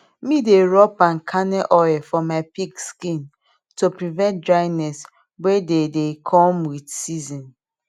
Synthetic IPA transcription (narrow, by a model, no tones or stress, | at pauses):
mideɹɔpãnkʰanɛʔɔɛfɔmaɪpikskĩn | topɾivɛ̃nt̚dɹaɪnɛs | wededekʰɔmwidsizɔ̃n